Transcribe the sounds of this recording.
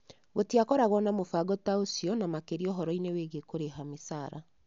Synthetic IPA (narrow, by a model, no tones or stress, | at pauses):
ɣotiakɔɾaɣwɔnamofaɡɔtaosiɔnamakeɾiɔɦɔɾɔineweːɣekoɾeɦamisaːɾa